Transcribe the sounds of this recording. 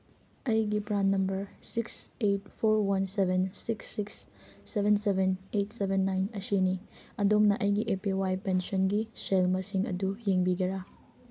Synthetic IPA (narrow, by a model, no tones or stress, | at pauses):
ɐjɡipɾanːɐmbɐɾsikset̚pʰoɾwɐnsebʱensiksːiksːebensebenet̚sebenːajnɐsiniɐdomnɐʔɐjɡiʔepiwajpensɔnɡiselmɐsiŋɐ̰dujeŋbiɡɐɾa